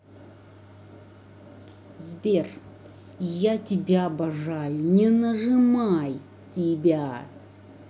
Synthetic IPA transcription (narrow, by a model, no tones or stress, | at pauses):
zbʲer | jatʲɪbʲabɐʐajʊnʲɪnəʐɨmaj | tʲɪbʲa